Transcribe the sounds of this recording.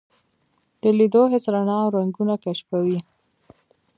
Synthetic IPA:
d̪̥əlid̪oɦɪsɾanɑwɾaŋɡunakaʃpawi

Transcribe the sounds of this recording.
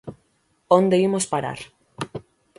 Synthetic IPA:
ond̪eimospaɾa̰ɾ

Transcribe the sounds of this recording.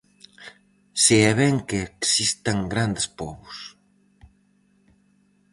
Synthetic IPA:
siɛβɛŋkeːksist̪aŋɡɾand̪ɪspɔβʊs

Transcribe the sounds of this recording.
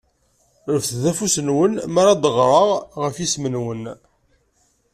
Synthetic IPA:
ɾəfθðæfusənwənmaɾæd̪ˤəʁɾˤəʁʁəfjismənwən

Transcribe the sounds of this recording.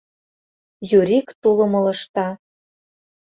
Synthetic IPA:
juɾʲikt̪ulɤ̆mɤ̆lɤ̆ʃt̪ɑ

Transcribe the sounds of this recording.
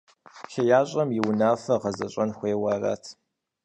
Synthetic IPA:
xɐjaːɕʼɐmjɪwnaːfɐʁɐzɐɕʼɐnxʷeːwɐrɐ̰tʰ

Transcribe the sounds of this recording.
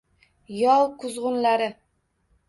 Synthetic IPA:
jɒlˠkʰʊzʁʊnlaɾɪ

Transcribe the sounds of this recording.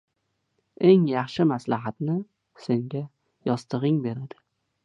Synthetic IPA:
e̞ŋjɑχʃɪmaslaɦat̪nɪ | se̞ŋɡʲa | jɒst̪ʰɨʁɪŋbe̞ɾad̪ɪ

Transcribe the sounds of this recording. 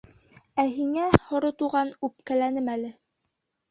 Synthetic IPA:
æɦiŋæhŏɾɤt̪uʁɑnʉp̚kælænɘmælɘ

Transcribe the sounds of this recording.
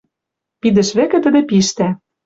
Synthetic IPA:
pid̪ɘ̆ʃβækɘ̆t̪ə̆d̪ĕpiʃt̪æ

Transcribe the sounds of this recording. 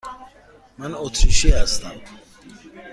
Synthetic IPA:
manɔt̪ʰiʃiast̪ʰæm

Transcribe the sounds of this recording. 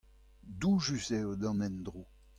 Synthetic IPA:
d̪uʒyzɛod̪ɑ̃nɛnd̪ʁo

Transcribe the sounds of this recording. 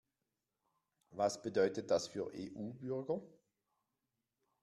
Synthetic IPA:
vasb̥ədœʏtət̚d̥asfyːɐʔḛːʔuːbʏʁɡɐ

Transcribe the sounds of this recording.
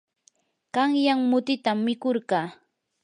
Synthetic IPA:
ɢɑŋjaŋmʊt̪ɪt̪amːɪkoɾɢɑː

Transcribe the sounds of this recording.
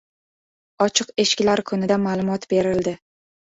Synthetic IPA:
ɒt͡ʃʰɨqe̞ʃkʲɪlaɾkʰʊnɪd̪amaːlˠʊmɒt̪be̞ɾɪld̪ɪ

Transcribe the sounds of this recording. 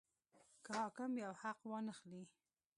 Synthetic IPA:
kəhɑkɪmjawhaqwɑnəxli

